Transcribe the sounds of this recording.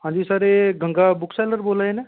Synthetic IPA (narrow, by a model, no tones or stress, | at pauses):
ɦãnd͡ʒisəɾeɡʱə̃ŋɡabʊkʰsɛləɾbolaene